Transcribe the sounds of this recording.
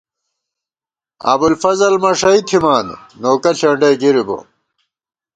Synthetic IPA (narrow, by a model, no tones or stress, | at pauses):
ɐ̰bulfɐzɐlmɐʂɐit̪ʰimaːnːoːkɐɬɐɳɖɐɡiɾibo̰